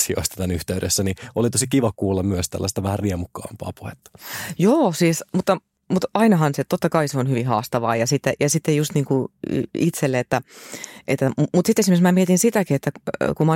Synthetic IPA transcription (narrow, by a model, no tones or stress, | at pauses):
sio̰ist̪ɑ̥t̪ænyht̪eyɾḛsːæniolit̪osikiʋɑkuːlːɑmmyøst̪æ̰lːæst̪æʋæhæriemukːɑ̰ːmpɑ̰ːpuhet̪ːɑ̥joːsiːsmut̪ːɑ | mut̪ɑinɑɦɑnset̪ot̪ːɑkɑiseonhyʋihɑːst̪ɑʋɑːjɑsit̪ːejɑsit̪ːejust̪niːŋkṵit̪selːeet̪ːæʔet̪ːæmmut̪sit̪ːesimeksmæːmiet̪insit̪ækiet̪ːækumɑ